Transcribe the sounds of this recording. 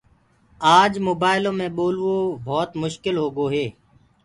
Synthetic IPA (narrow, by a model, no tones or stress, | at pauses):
aːd͡ʒmoːbaːɪlõːmẽːɓoːlʋoːbʱɔːt̪mʊʃkɪlɦoːɡoːɦeː